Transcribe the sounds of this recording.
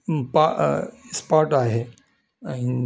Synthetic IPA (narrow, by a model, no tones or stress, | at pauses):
paspaːɾʈaːɦe | aĩ